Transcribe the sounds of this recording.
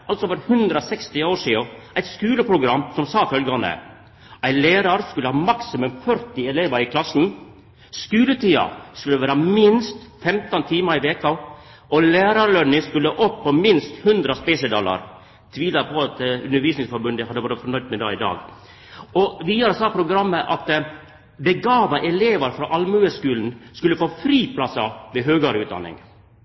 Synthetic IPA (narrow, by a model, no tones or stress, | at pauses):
ʔɑlt̪sɔfɔɾhʉnd̪ɾɑsɛkst̪ɪoːʂiːʊæɪt̪skʉːləpʰɾʊɡɾɑmːsɔmsɑːfœlɡɑnə̰ | ʔæɪlæːɾɑɾskʉlːəhɑːmɑksɪmʉmfœɾt̪ɪɛleːʋɑɾɪkʰlɑsn̩ | skʉːlət̪iːɑ̰skʉlːəʋæːɾɑmɪnst̪fɛmt̪ɑnt̪ʰiːmɑɾɪʋeːkɑ | ɔlæːɾɑɾlœnːɪŋskʉlːəʔɔpʰːɔmɪnst̪hʉnd̪ɾɑspeːsəd̪ɑlɑ̰ɾ | t̪ʰʋiːlɑpʰɔɑt̪ʉnəɾʋiːsnɪŋsfɔɾbʉnd̪əhɑd̪ːəbɑːɾəfɔɳœʏd̪mɛd̪ɑ̰ːɪd̪ɑ̰ːɡ | ɔʋiːɑɾsɑpʰɾʊɡɾɑmːəʔɑt̪ | bɛɡɑːʋɑʔɛleːʋəɾfɾɑʔɑlmʉːəskʉːln̩skʉlːəfoːfɾiːpʰlɑsɑʋɛɦøːɡɑɾʉːt̪d̪ɑ̰nːɪ̰ŋ